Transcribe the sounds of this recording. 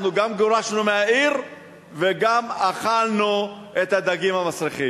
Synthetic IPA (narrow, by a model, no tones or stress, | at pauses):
nuɡamɡoʁaʃnumeaiʁ | veɡamaχalnu | et̪had̪aɡimhamasʁiχi